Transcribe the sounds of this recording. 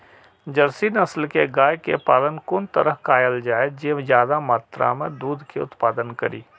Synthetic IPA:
d͡ʒəɾsinəslkeɡaːjkḛpaːlənkʊnt̪əɾəɦkaːjəld͡ʒaːed͡ʒezjaːd̪amaːt̪ɾa̰mẽd̪uːd̪ʱkeʊ̰t̪paːd̪ənkə̰ɾḭː

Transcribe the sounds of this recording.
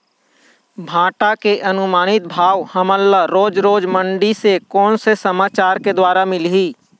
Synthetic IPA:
bʱãːʈakeʔɐnʊmaːnɪt̪̚bʱaːʋhəməlːaɾoːd͡ʒɾoːd͡ʒmə̃ɳɖisekɔːnsesəmaːt͡ʃaːɾked̪waːɾamɪlɦiː

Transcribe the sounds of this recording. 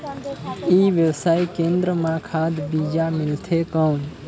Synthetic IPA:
iʋjəʋsaːjkẽnd̪ɾəmãkʰaːd̪bid͡ʒamɪlt̪ʰekən

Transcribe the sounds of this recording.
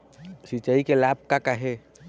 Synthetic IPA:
sit͡ʃaikelaːb̚kakaɦe

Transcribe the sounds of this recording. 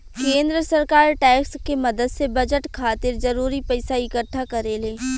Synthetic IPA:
kẽːnd̪ɾəsɐɾkaːɾʈɛːkskemɐd̪əd̪sebɐd͡ʒəʈkʰaːt̪ɪɾzɐɾuːɾipɐɪsaɪkəʈʰːakɐɾeleː

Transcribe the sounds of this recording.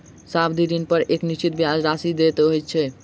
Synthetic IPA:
sabʰd̪iɾinpəɾʔeknit͡ʃit̪̚bijad͡ʒɾasid̪et̪ɦojt̪t͡ʃʰɛ

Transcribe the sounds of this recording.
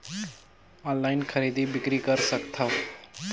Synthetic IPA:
ɔ̃nlaːɪnkʰəɾiːd̪ibɪkɾikəɾsəkt̪ʰaʋ

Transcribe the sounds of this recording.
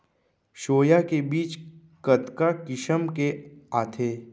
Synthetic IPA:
ʃoːjakebiːt͡ʃ | kət̪kakɪʃəmkeaːt̪ʰeː

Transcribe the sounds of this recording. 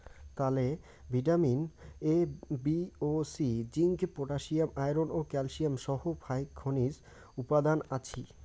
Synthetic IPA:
t̪ale | bʱiʈaminebiosid͡ʑiŋɡpoʈaʃiamajɾonokɛlʃiamʃɔhopʰajkʰːonis | upad̪anat͡ɕʰi

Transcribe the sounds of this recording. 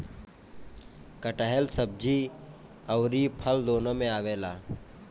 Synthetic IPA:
kəʈəɦelsəb̚d͡ʒiː | əwɾiːpʰəld̪oːnəmẽaːʋeːlaː

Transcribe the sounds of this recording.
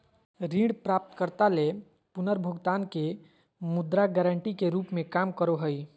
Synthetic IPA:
ɾĩɽpɾap̚t̪kəɾt̪ale | punəɾbʱʊɡt̪aːnke | mud̪ɾaɡɛɾəɳʈikeɾuːpmẽkamkəɾoɦəj

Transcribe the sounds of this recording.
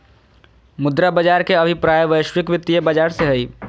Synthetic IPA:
mʊd̪ɾabɐd͡ʒaːɾkeɐbʱipɾaːjəʋəɪʃwɪkʋɪt̪ːiebɐd͡ʒaːɾseɦɛiː

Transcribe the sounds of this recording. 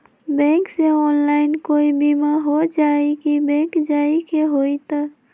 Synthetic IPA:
bɛ̃kseɔːnlaɪnkoibimaɦod͡ʒaːikibɛ̃ːkd͡ʒaikeɦoit̪a

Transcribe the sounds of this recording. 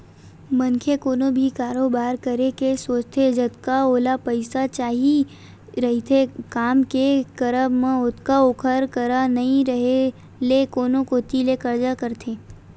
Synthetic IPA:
mənkʰekoːnõbʱikaːɾoːbaːɾkəɾekesoːt͡ʃt̪ʰed͡ʒət̪kaoːlapɐɪsat͡ʃaːɦi | ɾɐɦit̪ʰekaːmkekɐɾəmẽʊt̪kaʊkʰəɾkəɾanɐɦĩɾɐɦe | lekoːnõkoːt̪ilekɐɾd͡ʒakəɾt̪ʰeː

